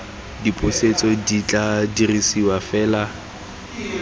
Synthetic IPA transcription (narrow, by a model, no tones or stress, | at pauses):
dipʼʊset͡sʼɔdit͡ɬʼadirisiwafɛːla